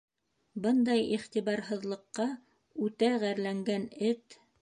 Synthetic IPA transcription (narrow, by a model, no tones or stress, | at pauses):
bɤnd̪ɑjiχt̪iβɑɾɦɤ̆ðlˠɤ̆qːɑ | ʉt̪æʁæɾlæŋɡænɘt̪